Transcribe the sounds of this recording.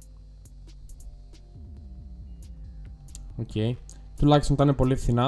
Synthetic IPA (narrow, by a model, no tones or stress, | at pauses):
ocʰe̞j | t̪ulɐçist̪onit̪ɐinepo̞liefθinɐ